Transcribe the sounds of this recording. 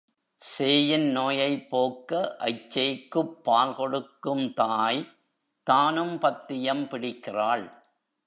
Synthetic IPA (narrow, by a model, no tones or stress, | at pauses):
seːjɪnnoːjɐɪpːoːkːɐʔɐ̰ɪt͡ʃːɐɪkːɯpːaːlkɔɽɯkːɯmt̪aːj | t̪aːnɯmpɐt̪ːɪjɐmpɪɽɪkːɪraːɭ